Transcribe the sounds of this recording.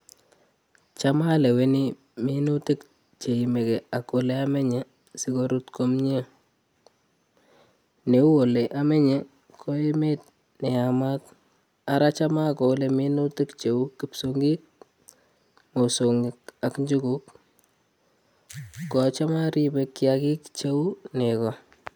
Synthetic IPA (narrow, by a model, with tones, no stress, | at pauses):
t͡ʃa˦ma˦le˨we˦ni˦ | mi˦nu˦ti˦k | t͡ʃe˨i˨me˨kɛ˨a˨ko˨le˦a˦mɛ˦ɲe˨ | si˨ko˦ɾu˦tko˦mɲe˦ | ne˨u˦o˨le˨ʔa˦mɛ˦ɲe˦ | kʰo˦e˦me˦t̚ | ne˨a˨ma˦t̚ | a˦ɾa˦t͡ʃa˦ma˦ko˨˦lemi˦nu˦tɪ˦kt͡ʃe˨uki˨psoŋɡi˦k̚ | mo˨so˨ŋɡɪka˨kɲd͡ʒu˦kuk | ɔ˨t͡ʃa˦ma˦ɾibe˨kːjaki˦kt͡ʃe˦u˦nekɔ˨